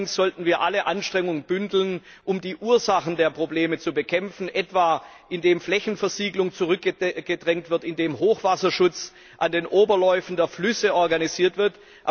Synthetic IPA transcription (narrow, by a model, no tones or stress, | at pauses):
ŋsz̥ɔltn̩viːɐʔaləʔanʃtʁ̥ɛŋʊŋənbʏndl̩n | ʔʊmdiːʔuːɐzaχn̩deːɐpʁ̥obleːmət͡subəkʰɛmfn̩ʔɛtv̥aː | ʔɪndeːmflɛçn̩fɛɐziːɡlʊŋt͡suʁʏk̚əɡ̥ədʁɛŋtv̥ɪɐtɪndeːmɦoːxv̥asɐʃʊt͡s | ʔandeːnʔoːbɐlɔʏfn̩deːɐflʏsəʔɔɐɡaniziːɐtv̥ɪɐt | ʔa